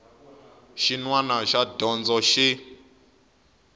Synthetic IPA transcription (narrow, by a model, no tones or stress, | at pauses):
ʃinwanaʃadɔnd͡zɔʃi